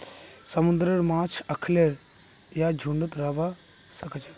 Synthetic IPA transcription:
sɐmund̪ɾəɽmaːt͡ʃʰɐkʰleɾjad͡ʒʱuɳɖɨt̪ɾabasɐkət͡ʃa

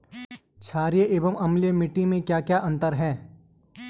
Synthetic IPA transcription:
t͡ʃʰaːɾijeʔeːbəmɐmlemɪʈːimẽkjaːkjaːʔɐ̃nt̪əɾɦɛ̃ː

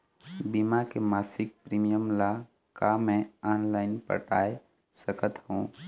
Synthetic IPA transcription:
bimakemaːsɪk̚pɾiːmijəmla | kamɛ̃ɔːnlaːɪnpə̰ʈaːe | səkət̪hũː

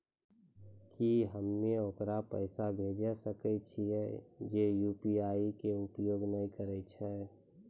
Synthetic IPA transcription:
kiɦəmːeokɾapəɪsabʱed͡ʒasəkɛt͡ʃʰiɛd͡ʒejuːpiaːikeʊpjoːɡnəĩkəɾɛt͡ʃʰɛ

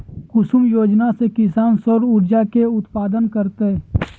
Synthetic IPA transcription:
kʊʃʊmjoːd͡ʒnasekɪsaːnsoɾʊɾd͡ʒakeʊt̪paːd̪ənkəɾt̪e

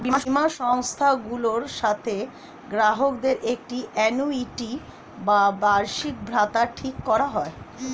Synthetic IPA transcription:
bimaimaʃɔŋst̪ʰaɡuloɾʃat̪ʰe | ɡɾaɦokd̪eɾʔek̚ʈiʔɛnuiʈi | babaɾʃik̚bʱɾat̪aʈʰikːɔɾaɦɔe

